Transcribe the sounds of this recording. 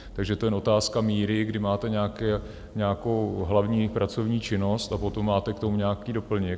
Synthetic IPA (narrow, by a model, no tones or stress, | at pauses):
t̪aɡʒɛt̪o̞jɛʔo̞t̪aːskamiːɾɪɡdɪmaːt̪ɛɲɛakɛː | ɲɛakowɦlavɲiːpɾʔat͡so̞vɲiːt͡ʃɪno̞st̪apot̪o̞mːaːt̪ɛkt̪o̞muɲɛakiːdo̞pl̩ɲɪ